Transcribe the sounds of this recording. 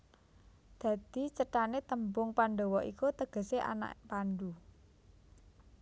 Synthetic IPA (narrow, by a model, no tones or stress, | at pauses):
d̪̥ä̤d̪̥i̤t͡ʃəʈanet̪əmbʊŋpaɳɖowɔʔikut̪əɡ̥ə̤seʔa̰na̰ʔpanɖu